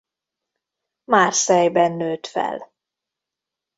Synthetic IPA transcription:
maːrsɛjbɛnːøːt̪fɛ̰l

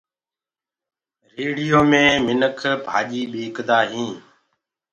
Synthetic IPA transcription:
ɾeːɽɪjoːmẽːmɪnəkʰbʱa̰ːʄiːɓiːkd̪aːɦĩː

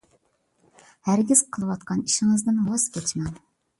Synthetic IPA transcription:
hæɾɡʲiz̥qʰəlˠɨwɑt̪qʰɑniʃɪŋɨzd̪ɪnwɑzkʲʰɛt͡ʃmɛn

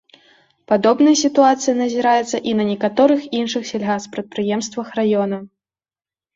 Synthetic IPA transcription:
pad̪ɔbnɐjɐsʲit̪uat̪sɨjɐnɐzʲiɾajɛt̪sːɐʔinɐnʲɛkat̪ɔɾɨxinʂɨxsʲɛlʲɣaxspɾɐt̪̚pɾɨjɛmst̪vɐxrajɔnɐ

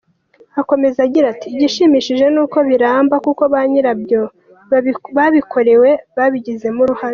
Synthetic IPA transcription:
ako̞me̞zaɟiɾatiɟiʃimiʃiʒe̞nuːko̞βiɾaːmbakuko̞βaɲiɾabjo̞ | βaβikʰo̞ɾe̞we̞βaβiɟize̞muɾuhaɾe

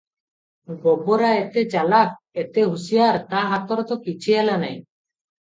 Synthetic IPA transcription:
ɡɔbɔɾaɛt̪ɛt͡ʃalak̚ | ɛt̪ɛɦusijaɾt̪aɦat̪ɔɾɔt̪ɔkit͡ʃʰijalanaj

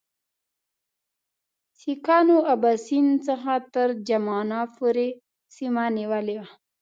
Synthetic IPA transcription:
sikɑnoabasint͡səxat̪əɾd͡ʒamɑnapoɾe | simaniwəlewa

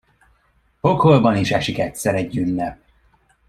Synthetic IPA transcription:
hokholbɒniʃɛʃikɛt̪ʲsɛɾɛɟːynːɛp̚

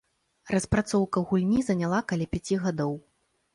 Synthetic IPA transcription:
rɐspɾat̪sɔwkɐɣulʲnʲizɐnʲalˠakalʲɛpʲat͡sʲiɣad̪ɔw

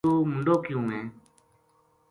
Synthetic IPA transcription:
uːmʊɳɖoːkɪjũːmẽː

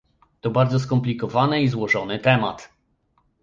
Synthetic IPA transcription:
t̪ɔbaɾd̪zɔs̬kɔmplʲikɔvanɛizwɔʐɔnɘt̪ɛma̰t̪

